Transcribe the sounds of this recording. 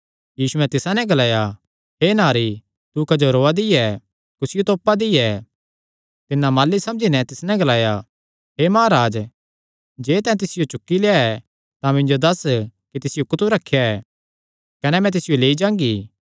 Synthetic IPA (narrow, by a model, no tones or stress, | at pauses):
jiːsuɛ̃t̪ɪsãnɛ̃ɡɐlaːja | ɦeːnaːɾi | t̪ukɐd͡ʒoɾoːad̪ɪjɛ | kʊsɪjot̪oːpːad̪ɪjɛ | t̪ɪnːamaːlːisɐ̃md͡ʒinɛ̃t̪ɪsnɛ̃ɡɐlaːja | ɦeːmaːaɾaːd͡ʒ | d͡ʒeːt̪ɛ̃ːt̪̬ɪsɪjot͡ʃʊkːileaɛ | t̪ãmɪ̃ɲd͡ʒod̪ɐskit̪ɪsɪjokʊt̪uɾɐkʰːjaɛ | kɐnɛmɛ̃t̪ɪsɪjoleːid͡ʒãːŋɡiː